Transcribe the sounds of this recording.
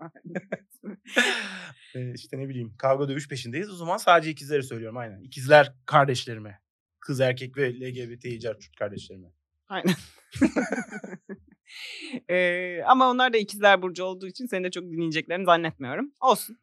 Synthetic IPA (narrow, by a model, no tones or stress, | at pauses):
a | ɛːiʃt̪ʰɛnebilʲijːimkʰavˠɡad̪ømyʃpʰeʃ̬ind̪ejizozamansaːd̪ed͡ʒɛicʰizilʲeɾisø̞jlʲijo̞ɾumajnæ̰nicʰizlʲæɾkʰaɾd̪ɛʃlʲeɾimɛ | kʰɯzæɾcʰɛcvɛlʲeɟebet̪ʰeid͡ʒæɾt͡ʃʰy̥t̪̚kʰaɾd̪ɛʃlʲeɾimɛ | ajnæn | ɛːamaonlˠaɾd̪aicʰizilʲæɾbuɾd͡ʒao̞lˠd̪uːit͡ʃʰinsenid̪ɛt͡ʃʰo̞k̚d̪inːijid͡ʒɛclʲeɾinizanːɛt̪̚mijo̞ɾumo̞lˠsun